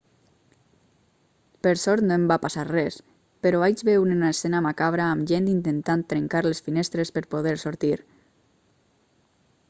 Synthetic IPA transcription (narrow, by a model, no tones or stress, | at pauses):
pəɾsɔɾt̪noembapasarɛs | peɾɔβajd͡ʒβeunenaesenamakaβɾaːmʒent̪int̪ent̪ant̪ɾeŋkaɾlesfinest̪ɾespəɾpoðɛɾsoɾt̪iɾ